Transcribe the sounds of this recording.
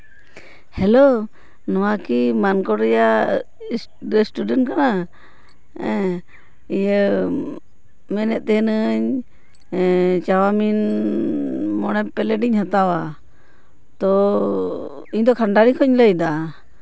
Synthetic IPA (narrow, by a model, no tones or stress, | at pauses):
hɛlo | nɔwakimankɔɾɛja | ɾesʈuɖɛnʈ̚kana | ɛ | ijə | mɛnɛt̪̚t̪ɛɦnəɲ | t͡ʃawamin | mɔɽɛpːɛlɛʈiɲhat̪awa | t̪ɔ | iɲd̪ɔkʰaɳɖaɾikʰɔɲləjd̪a